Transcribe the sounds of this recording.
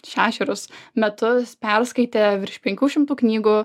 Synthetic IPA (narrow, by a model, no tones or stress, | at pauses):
ʃʲæːʃʲɛɾʲʊsmʲɛt̪ʊspʲɛɾskɐɪt̪ʲeːʋʲɾʲɪʃpʲɛŋʲkʲuːʃʲɪmt̪uːknʲiːɡuː